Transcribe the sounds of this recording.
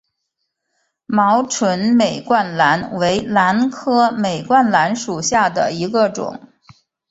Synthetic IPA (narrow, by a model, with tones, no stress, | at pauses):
mɑ˧˥ʊʈ͡ʂʰwə˧˥nme˨˩ɪkwa˥˩nla˧˥nwe˧˥ɪla˧˥nkʰɤ˥me˨˩ɪkwa˥˩nla˧˥nʂu˨˩ɕja˥˩d̪ə̰˩i˧˥ɡə˧ʈ͡ʂʊ̰˨˩˦ŋ